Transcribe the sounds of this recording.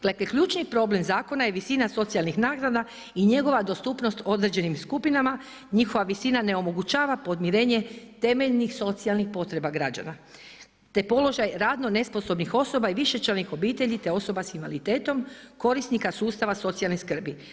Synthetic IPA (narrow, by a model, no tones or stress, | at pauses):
ɡ̥lekekʎuːt͡ʃnipɾo̞ble̞mzaːko̞naje̞ʋisinaso̞t̪sialˠnixnaːɡɾad̪a | iɲe̞ɡo̞ʋad̪o̞st̪upno̞st̪o̞d̪ɾed͡ʑe̞nimskupinama | ɲixoʋaʋisinane̞o̞mo̞ɡut͡ʃaːʋapo̞d̪miɾe̞ːɲe̞t̪e̞me̞ʎnixso̞t̪sialnixpo̞t̪ɾe̞baɡɾad͡ʑa̰na | t̪e̞po̞lo̞ʒajɾaːd̪no̞ne̞spo̞so̞bnixo̞so̞baiʋiʃe̞t͡ʃalnixo̞biːt̪e̞ʎit̪e̞o̞so̞basimalit̪e̞ːt̪o̞mko̞ɾisnikasuːst̪aʋaso̞t̪sialneskr̩bi